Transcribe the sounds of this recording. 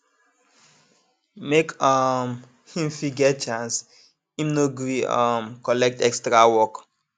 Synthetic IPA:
mekʌm | hĩmfiɡɛt̚t͡ʃãns | ĩmnoɡɹiɔ̰mkɔlɛk̚tɛkstɹawɔk

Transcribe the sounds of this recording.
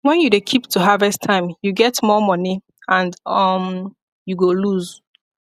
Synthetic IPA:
wɛ̃njudekʰiptʰuɦavɛstʰãɪ̃mjuɡɛtmɔmʌni | ãndʌm | juɡoluz

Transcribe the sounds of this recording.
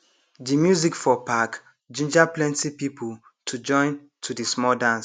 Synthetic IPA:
dimjuzikfɔpak | d͡ʒĩnd͡ʒaplɛ̃ntipipu | tʰud͡ʒɔ̃ɪ̃n | tʰudismɔdãns

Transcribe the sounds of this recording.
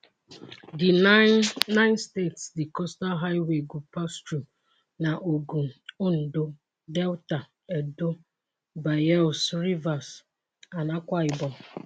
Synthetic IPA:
di | nãɪnstetsdikɔstalɦaɪweɡupastɾum | naʔoɡuʊn̩do | dɛlta | ɛdo | baɛlsɾivas | anakʷaɪbɔ

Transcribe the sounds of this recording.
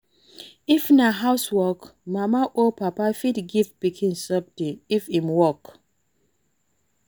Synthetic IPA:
ifnaɦawswɔkmamaʔopapafidɡivpikʰĩnsʌb̚tiifimwɔk

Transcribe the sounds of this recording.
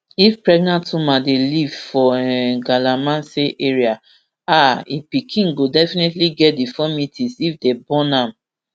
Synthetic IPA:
ifpɹɛɡnãntũmadelivfɔɛɡalamãnseʔeɹia | aipikʰĩŋɡodɛfinetliɡɛt̚difɔmitʰĩsifdebɔ̃nãm

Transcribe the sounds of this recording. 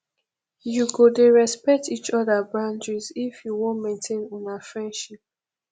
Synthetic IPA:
juɡodeɹɛspɛk̚tit͡ʃɔðabɹãnd͡ʒɹizifjuwɔ̃nmẽntʰẽnɔ̃nafɹɛ̃ndʃip̚

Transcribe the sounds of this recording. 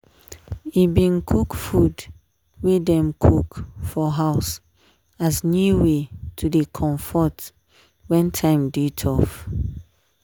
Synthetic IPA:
ibĩnkʰukfud | wedɛ̃mkʰukfɔɦaʊs | asnjuwetʰudekʰɔ̃ɱfɔt | wɛ̃ntʰãɪ̃mditʰɔf

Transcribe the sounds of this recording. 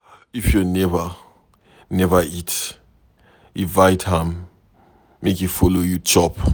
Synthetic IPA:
ifjunɛvə | nɛvəit | ivajtʰhãmː | ekifɔlojut͡ʃɔp

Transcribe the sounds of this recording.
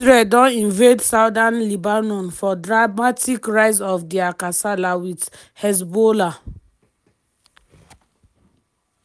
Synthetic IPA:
ɹedɔ̃nĩnvetsaʊdãnlibanɔ̃nfɔdɹamatikɹaɪsɔfdiakasalawid | hɛs̬bola

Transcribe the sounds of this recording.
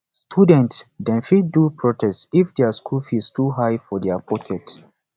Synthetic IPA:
stʰudɛ̃ntsdɛ̃nfidupɹɔtʰɛstifdɛaskʰulfistuɦajfɔdɛapʰɔkʰɛt

